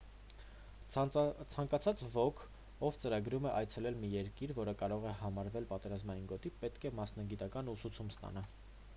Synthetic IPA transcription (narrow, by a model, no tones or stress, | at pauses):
t͡sʰɑŋkɑt͡sʰɑt͡svɔkʰ | ɔvt͡səɾɑɡɾumɛʔɑjt͡sʰɛlɛlmijɛɾkiɾvɔɾəkɑɾɔʁɛhɑmɑɾvɛlpɑt̪ɛɾɑzmɑjinɡɔt̪ipɛt̪kʰɛmɑsnɑɡit̪ɑkɑnusut͡sʰumst̪ɑ̰nɑ